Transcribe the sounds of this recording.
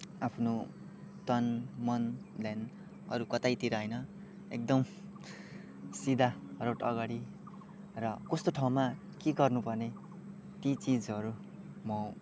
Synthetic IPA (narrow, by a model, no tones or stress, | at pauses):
apʰno | t̪ʌnmʌnlen | ʌ̰ɾukʌt̪ajt̪iɾʌɦʌjnʌ | ḛk̚d̪ʌm | sid̪ʱaroʈʌ̰ɡaɽi | rʌkʌst̪oʈʰaw̃ma | keɡʌrnupʌrne | t̪it͡sid͡zʌɾu | mʌ